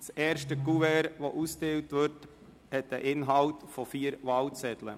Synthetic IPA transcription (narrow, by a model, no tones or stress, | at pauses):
sɛːɾʃtəɡuvɛɾʋoʔusteːwtʋʏɾt | hɛt̚dəʔɪnɦɑwtfɔfiːəɾʋɑlt͡sɛtlə̰